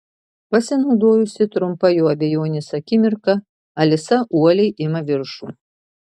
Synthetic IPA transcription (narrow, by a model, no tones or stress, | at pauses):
pɐsʲɪnɐʊd̪oːjʊsʲɪt̪ɾʊmpɐjoːɐbʲɛjoːnʲɪsɐkʲɪmʲɪɾkɐ | ɐlʲɪsɐʔuɔlʲɛjʔɪmɐʋʲɪɾʃu